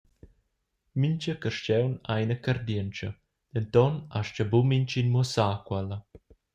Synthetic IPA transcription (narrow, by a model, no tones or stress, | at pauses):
miɲt͡ʃəkəʃt͡ʃɛwnajnəkaɾd̪iənt͡ʃə | d̪̥ɛnt̪ɔna̰ʃt͡ʃəbumiɲt͡ʃinmusaːkwɛlə